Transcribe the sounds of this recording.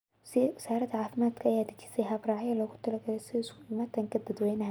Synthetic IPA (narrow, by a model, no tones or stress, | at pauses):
swɪsaːɾɐd̪ɐʕaːfɪmaːd̪kʰɐːjaːd̪ɪt͡ʃi̥sɛjɦɐbraːʕjɐlɔːɣʊt̪ʰɐlɐɡɐɾɛjsɪðɛɪskʰʊiːmaːt̪ʰɐŋkʰɐd̪ɐd̪wɛːnɐɦ